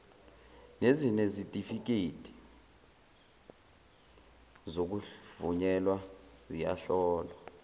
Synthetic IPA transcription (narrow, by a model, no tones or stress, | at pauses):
nezinesitʼifik̬etʰʼi̥ | zok̬uvuɲɛlwaz̥ija̰ɬɔːlwa